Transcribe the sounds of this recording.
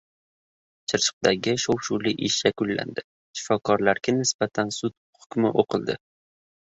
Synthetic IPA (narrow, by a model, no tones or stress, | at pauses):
t͡ʃʰɨɾt͡ʃʰɨ̥q̚d̪aɡʲɪʃowʃuliʔɪʃjakʊlːa̰nd̪ɪ | ʃɪ̥fɒkʰɒɾlaɾɡʲanɪsb̥at̪ʰansʊt̪ | hʊkʲmɪʔoqʰɨlˠd̪ɪ